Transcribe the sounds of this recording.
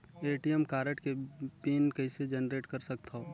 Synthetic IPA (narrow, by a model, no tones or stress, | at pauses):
eːʈijəmkaːɾeʈkepiːnkɐɪsed͡ʒɛnɾeːʈkɐɾsɐk̚t̪oː